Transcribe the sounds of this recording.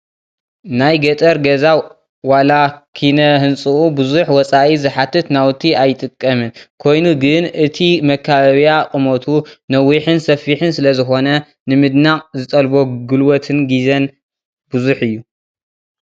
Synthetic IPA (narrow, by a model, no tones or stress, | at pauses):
najɡɐt̪ʼɐɾɡɐza | walakʰinɐhɨnt͡sʼɨʔubɨzuħwɔt͡sʼaʔizɨħat̪ʰɨt̪nawt̪ʰiajt̪ʼɨkʼːɐmɨnkʰo̞jnuɡɨnʔɨt̪ʰimɐkʰːaβaβjaqʼɨmot̪ʰunɐwːiħɨnsɐfːiħɨnsɨlɐzɨxo̞nɐ | nɨmɨd̪naʔʼzɨt̪ʼɐlbo̞ɡɨlwot̪ʰɨnɡizɐn | b̥uzuħɨjːu